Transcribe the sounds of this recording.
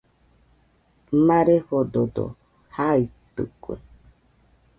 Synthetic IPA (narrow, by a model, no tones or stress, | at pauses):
mãɾehod̪od̪o̰ | hait̪ɨ̰kwḛ